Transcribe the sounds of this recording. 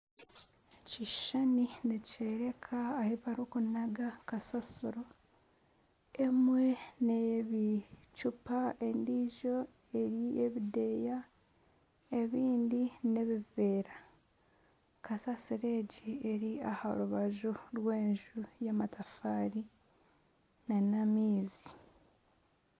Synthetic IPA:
ciʃanineceɾe̞kʰaːheβaɾukunaɡakasasuɾo̞ | e̞mwe̞neβit͡ʃupaendiʒo̞ | e̞ɾieβideja | e̞βiːndine̞βiveːɾa | kasasiɾe̞ːɟieɾiaha̰ɾuβaʒuɾwe̞ːɲʒujamatʰafaːɾi | nenamiːzi

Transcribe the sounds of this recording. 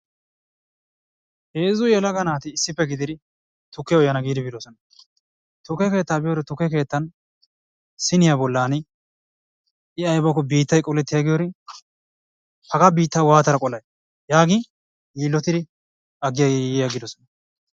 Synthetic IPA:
heːzʊjɛlɐɡɐnaːt̪ɪːsːɪpːɛɡɪd̪ɪd̪ɪ | t̪ʊkːɪjɔjːɐnɐɡiːd̪ɪbɪd̪ɔsɔnɐ | t̪ʊkːɛke̞ːt̪ːaːbɪjɔɾɛt̪ʊkːɛke̞ːt̪ːɐn | sɪnɪjabɔlːaːnɪ | ɪɐjbɐkːɔbiːt̪ːɐjkʼɔlɛt̪ːɪjaɡɪjɔɾɪ | hɐɡɐbiːt̪ːɐwaːt̪ɐɾɐkʼɔlɐj | jaːɡɪ | jiːlːɔt̪ɪd̪ɪ | ɐɡːɪjɐjjɐɡɪd̪ɔsɔnɐ

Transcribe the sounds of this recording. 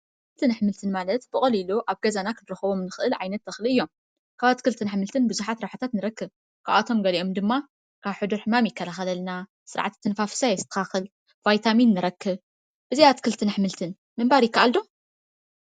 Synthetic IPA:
kɨlt̪ʰɨnħmɨlt̪ʰɨnmalɐt̪b̥ɨkʼɐliluʔaβɡɐzanakʰɨnɾɨxɐβo̞mnɨxʔɨlʕajnɐt̪ːɐxlɨɨjːo̞m | kʰaβat̪kʰɨlt̪ʰɨnħmɨlt̪ʰɨnbɨzuħat̪ɾɐħat̪ʰat̪nɨɾɐkːɨβ | kʰaβat̪ʰo̞mɡɐliʔo̞md̪ɨmːa | kʰaβħɨd̪uɾħɨmamjɪkʰːɐlaxɐlɐlna | sɨɾʕa̰t̪t̪ʰːɨnfafɨ̥sajɛzt̪ʰɨ̥xaxɨl | vajt̪ʰaminːɨɾɐkːɨβ | b̥ɨzijat̪kʰɨlt̪ʰɨnħmɨlt̪ʰɨn | mɨmbaɾjɪkːaʔald̪o̞m

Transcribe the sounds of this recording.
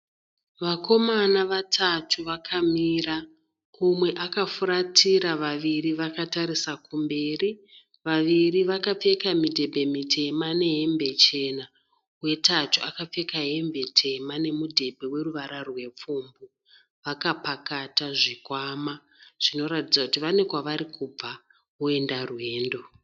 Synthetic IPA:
ʋako̞manaʋatʰatʰuʋakʰamiːra | kumwe̞ʔakafuɾatʰiɾaʋaʋiriʋakataɾisakumbe̞ːri | ʋaʋiriʋakap͡fe̞kamidʱe̞bʱe̞mitʰe̞mane̞ɦe̞mbe̞t͡ʃe̞ːna | we̞tatuakap͡fe̞kaɦe̞mbe̞tʰe̞mane̞mudʱe̞bʱe̞we̞ruʋaɾarwe̞p͡fuːmbu | ʋakapakataʐikwaːma | ʐ̥ino̞ɾatid͡zakutiʋane̞kwaʋaɾikub͡va | ue̞ndarwe̞ːndo̞

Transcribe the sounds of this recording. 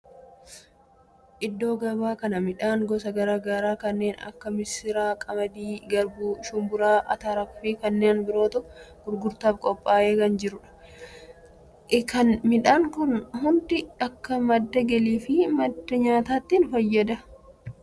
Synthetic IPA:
ʔɪd̪ːo̞ːɡɐbaːkɐnɐmɪᶑaːŋɡɔsɐɡɐɾaːɡaːɾaːkɐnːe̞ːnɐ̰kːɐmɪsɪɾaːkʼɐmɐd̪iːɡɐɾbuːʃʊmbʊɾaːʔɐ̰t̪aːɾɐkʊfiːkɐnːeːnbɪɾo̞ːt̪ʊɡ̥ʊɾɡʊɾt̪aːbkʼɔpʼːaːʔeːkɐnd͡ʒɪɾʊᶑɐ̥ | kɐnmɪᶑaːŋkʊnhʊnd̪ɪɐkːɐmɐd̪ːɐɡɛliːfɪmɐd̪ːɐɲaːt̪aːt̪ːiːnfɐjːɐd̪ɐ

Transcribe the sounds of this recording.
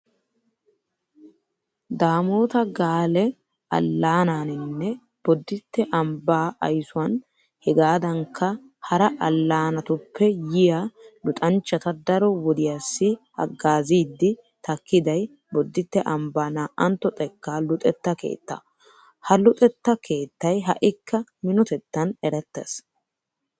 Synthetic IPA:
d̪aːmoːt̪ɐɡaːlɛ | ɐ̰lːaːnaːnɪnːɛ | b̥ɔd̪ːɪt̪ːɛʔɐmbaːɐ̰jsʊɐn | hɛɡaːd̪ɐŋkʰːɐ | hɐɾɐʔɐlːaːnɐt̪ʊpʰːɛjɪjalʊt̪ʼɐnt͡ʃːɐt̪ɐd̪ɐɾɔwɔd̪ɪjasːɪ | ɐ̰ɡːaːziːd̪ːɪ | t̪ɐkːɪd̪ɐj | bɔd̪ːɪt̪ːɛʔɐmbaːnaːʔɐnt̪ːɔt̪ʼɛkːaːlʊt̪ʼɛt̪ːɐke̞̰ːt̪ːɐ̰ | hɐlʊt̪ʼɛt̪ːɐkʰe̞ːt̪ːɐjɦɐ̰ʔɪkːɐmɪnɔt̪ɛt̪ːɐnɛɾɛt̪ːɛ̰s

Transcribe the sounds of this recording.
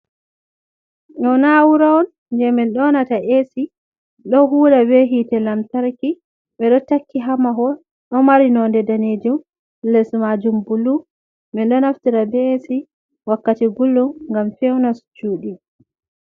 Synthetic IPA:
ɗɔnawuɾaɔn | ndɛmɛɗɔnataʔesi | ɗɔɦuːlabɛɦitɛlamtaɾki | ɓɛɗɔtakʰːiɦamaɦɔ | ɗɔmaɾinɔndɛdaned͡ʒum | lɛsmad͡ʒumbulu | mɛnɗɔnaftiɾabɛsi | wakːatiɡulːumŋɡamfɛwnast͡ʃuːɗi

